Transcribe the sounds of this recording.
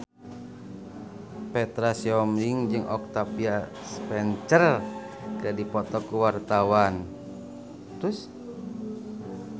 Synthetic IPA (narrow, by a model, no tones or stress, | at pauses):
pɛt̪ɾasiɔmɾiŋd͡ʒɨŋʔɔk̚t̪apia | spɛnt͡ʃər | kadipɔt̪ɔkuwart̪awan | t̪ɾus